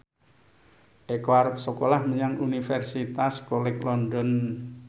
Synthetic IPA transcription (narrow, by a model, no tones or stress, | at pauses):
ʔekwarp̚səkolahməɲaŋunifɛrsit̪askolɪklɔndɔn